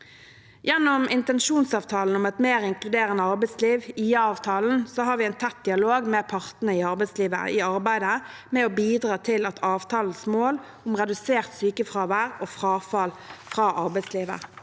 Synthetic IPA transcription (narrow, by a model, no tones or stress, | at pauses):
jɛnːɔmɪnt̪ɛnʃuːnsɑːʋt̪ʰɑːln̩ʊmɛt̪meːʁɪŋkʰlʉd̪eːʁənəɑʁbæɪsliːʋiːɑːʋt̪ʰɑːln̩soːɦɑːɾʋɪɛɪnt̪ʰɛt̪̚d̪ɪɑloːɡmɛpʰɑʁt̪nəɪɑʁbæɛɪsliːʋə̰ʔɪɑʁbæɪd̪əmɛɔbiːd̪ʁɑːt̪ʰɪlɑt̪ʰɑːʋt̪ʰɑːln̩smoːl | ʊmʁɛd̪ʉseːʁt̪syːkəfʁɑːʋæːʁoːfʁɑːfɑlfʁɑːʔɑɾbæɪsliːʋə̰